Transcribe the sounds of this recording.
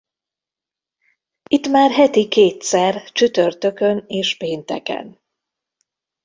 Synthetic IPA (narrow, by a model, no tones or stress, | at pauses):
it̪maːrɦɛt̪ikeːt̪sɛrt͡ʃyt̪ørt̪ø̞kø̞neːʃpeːnt̪ɛkɛ̰n